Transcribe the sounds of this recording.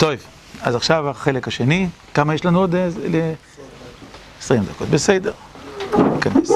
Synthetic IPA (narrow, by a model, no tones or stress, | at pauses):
t̪ojv | azaχʃavaχelekhaʃeni | kamajeʃlanuod̪le | esʁimd̪ako̞t̪besed̪eʁ | kanes